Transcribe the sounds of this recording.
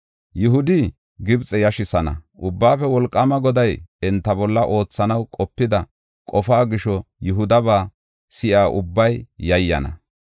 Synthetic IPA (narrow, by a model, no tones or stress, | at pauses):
jʊɦʊd̪ɪ | ɡɪbt͡sʼɛjɐʃɪsɐnɐ̰ʔʊbːaːfɛwɔlkʼːɐmɐɡɔd̪ɐjɛnt̪ːɐbɔlːɐʔo̞ːt͡sːɐnɐwkʼɔpːɪd̪ɐ | kʼɔfaːɡɪʃɔjʊɦʊd̪ɐbaː | sɪʔaːʔʊbːɐjjɐjːɐ̰nɐ̰